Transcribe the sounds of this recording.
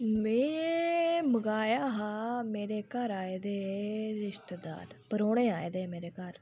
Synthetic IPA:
mẽː | məɡaːjaːɦaːmeːɾeːkəɾaːeːd̪eːɾɪʃt̪ed̪a̰ːɾpəɾoːɽeːaːed̪eːmeːɾeːkəɾ

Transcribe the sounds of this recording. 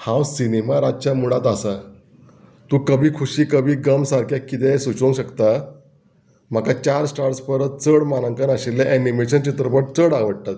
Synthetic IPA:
hãwsinemaɾad͡ʑt͡ɕjamuɽãt̪asa | t̪ũːkəbʱiːkʰuɕiːkəbʱiːɡəmsaɾkʰjakːit̪ɛsut͡ɕõŋkɕəkt̪a | m̤akat͡ɕaɾsʈaɾsfəɾət̪̚t͡səɽmanə̃ŋkənaɕilːjaʔænimeɕənt͡ɕit̪ɾəpəʈ̚t͡səɽaʋəɽʈ̪at̪̚

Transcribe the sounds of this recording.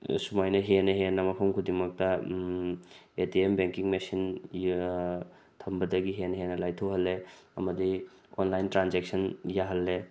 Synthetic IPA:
sumajnɐɦenɐɦenːɐmɐpʰɐmkʰudiŋmɐk̚tɐ | etiembeŋkiŋmesin | tʰɐmbɐdɐɡiɦenɐɦenɐlajtʰɐwɦɐlːeɐ̰mɐdi | onlajntɾanzek̚sɐnjaɦɐlːe

